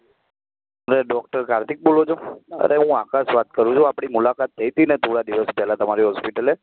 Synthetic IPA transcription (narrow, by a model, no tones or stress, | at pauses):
əɾeɖɔkʈəɾkaɾt̪ik̚bolod͡ʒʰoə̰ɾʔeɦũakasʋat̪̚kəɾũt͡ʃʰũapɽ̃imulakat̪ːəjt̪inet̪uɽad̪iʋəspɛɦlat̪əmaɾiɦɔspiʈəle